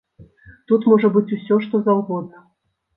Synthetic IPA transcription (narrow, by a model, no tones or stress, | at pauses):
t̪ut̪mɔʐɐbɨt͡sʲusʲɔʂt̪ɔzawɣɔd̪̚nɐ